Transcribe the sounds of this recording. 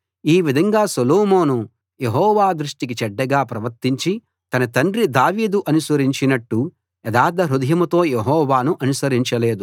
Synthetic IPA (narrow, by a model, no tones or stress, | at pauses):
iːʋid̪ʱɐŋɡaːsɐloːmoːnu | jeɦɔːʋaːd̪ɾuʂʈik̬it͡ʃɛɖːɐɡaːpɾɐʋɐɾt̪iɲt͡ʃi | t̪ɐnɐt̪ɐɳɖɾid̪aːʋiːd̪uʔɐnusɐɾiɲt͡ʃinɐʈːu | ɛd̪aːd̪ɐɾud̪ʱɐjɐmut̪o̞ːjeɦɔːʋaːnuʔɐnusɐɾiɲt͡ʃɐle̞ːd̪u